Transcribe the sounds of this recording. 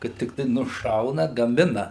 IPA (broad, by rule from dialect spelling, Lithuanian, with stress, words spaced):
kɐt tʲɪkˈtɐɪ nʊˈʃɐʊnɐ ɡɐˈmʲɪnɐ